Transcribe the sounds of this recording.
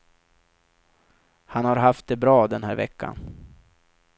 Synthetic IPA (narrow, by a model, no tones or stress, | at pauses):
hanhaɾɦaft̪̚d̪ɛbɾɑːd̪ɛnɦæːɾvɛ̰kːa̰n